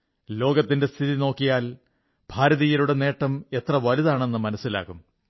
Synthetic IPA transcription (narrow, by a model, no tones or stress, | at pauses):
lo̞ːɡɐt̪ːinde̞st̪ʰiðino̞ːkːijaːl | bʱaːɾɐðijɐɾuɽe̞ne̞ːʈːɐme̞t̪rɐʋɐliðaːɳe̞nːɨmɐnɐsːila̰ːkːum